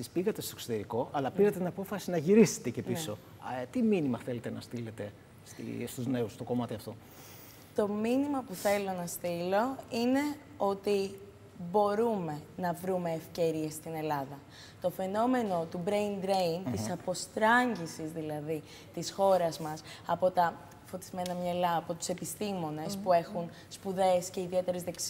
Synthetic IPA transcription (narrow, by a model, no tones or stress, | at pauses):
ispiɣɐt̪est̪oksot̪e̞ɾiko̞ʔɐlɐpiɾɐt̪et̪inɐpo̞fɐsinɐʝiɾise̥t̪ece̞piso̞ | t̪iminimɐθe̞le̞t̪e̞nɐ̰st̪ile̞t̪e̞ | st̪ḭst̪uzne̞ust̪o̞ko̞mɐt̪iɐft̪o̞ | t̪o̞minimɐpuθe̞lo̞nɐst̪ilo̞ine̞ | o̞t̪i | bo̞ɾume̞nɐvɾume̞ːfce̞ɾie̞st̪ine̞lɐðɐ | t̪o̞fe̞no̞me̞no̞t̪ubɾejnd̪ɾeint̪issɐpo̞st̪ɾɐɲɟisizðilɐði | t̪isxo̞ɾɐzmɐsɐpo̞t̪ɐ | fo̞t̪i̥zme̞nɐmɲɐlɐːpo̞t̪u̥se̞pist̪imo̞ne̞spue̞xun | spuðe̞sce̞iðie̞t̪e̞ɾezðeks